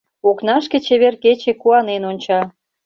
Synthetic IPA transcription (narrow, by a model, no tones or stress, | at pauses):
oknɑʃket͡ɕeβerket͡ɕekuɑnenonʲt͡ɕɑ